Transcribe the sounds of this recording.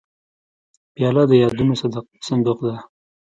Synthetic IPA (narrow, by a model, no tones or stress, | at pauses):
pjɑlad̪əjɑd̪umes | sand̪uqd̪a